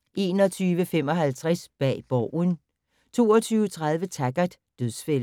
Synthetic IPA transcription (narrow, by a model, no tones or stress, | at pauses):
ʔe̝̰ːnɒ̽t͡sʰyːʋəfem̰ɒ̽ɦælt͡sʰʁasb̥ɛ̰ːb̥ɒʊ̰n | t͡sʰo̝̰ːɒt͡sʰyːʊət͡sʰʁäð̞ˠʋət͡sʰæɡ̥ɐd̥ | d̥øðˠsfel̰